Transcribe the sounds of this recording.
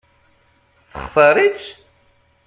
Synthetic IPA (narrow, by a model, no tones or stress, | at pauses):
θə̰χθəɾˤit͡ʃ